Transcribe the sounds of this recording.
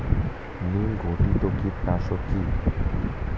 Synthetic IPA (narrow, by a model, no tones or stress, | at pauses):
nĩɡʱoʈit̪okit̪asɔki